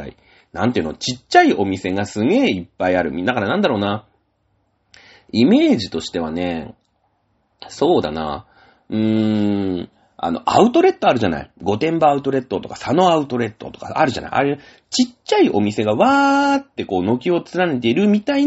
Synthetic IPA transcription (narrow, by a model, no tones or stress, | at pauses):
a̰ḭ | nãnt̪eiɯ̟not͡ɕit͡ɕːaiʔo̞mʲise̞ɡasɨɡe̞ːipːaiaɾɯ̟mʲid̪akaɾanãnd̪aɾo̞ːna | ime̞ːʑit̪o̞ɕi̥t̪e̞β̞ane̞ | so̞ːd̪a̰na̰ | ɯ̟̃ɴ | a̰no̞̰ʔa̰ɯ̟t̪o̞ɾe̞t̪ːo̞aɾɯ̟ʑana̰iɡo̞t̪ẽ̞mbaaɯ̟t̪o̞ɾe̞t̪ːo̞t̪o̞kḁsano̞aɯ̟t̪o̞ɾe̞t̪ːo̞̰t̪o̞̥ka̰a̰ɾɯ̟ʑa̰na̰ḭʔa̰ɾe | t͡ɕit͡ɕːaiʔo̞mʲise̞ɡaβaːt̪ːe̞ko̞ːno̞kʲio̞t͡sɨɾane̞t̪e̞iɾɯ̟mʲit̪ai